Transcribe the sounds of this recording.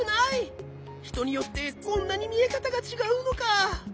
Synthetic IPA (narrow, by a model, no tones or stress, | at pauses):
nai | çi̥t̪o̞ɲ̟ijo̞t̪ːe̞kõ̞nnːaɲ̟imʲie̞kat̪aɡat͡ɕiɡaɯ̟no̞ka